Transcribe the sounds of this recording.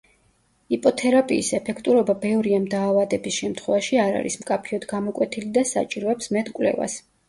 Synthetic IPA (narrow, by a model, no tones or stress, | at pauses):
ipʼɔt̪ʰɛɾapʼiːsɛpʰɛkʰt̪ʼuɾɔbabɛvɾiamd̪aːvad̪ɛbisʃɛmt̪ʰχwɛvaʃiaɾa̰ɾḭsmkʼapʰiɔd̪ɡamɔkʼwɛt̪ʰilid̪asa̰t͡ʃʼiɾɔɛpsmɛt̪ʰkʼwlɛ̰va̰s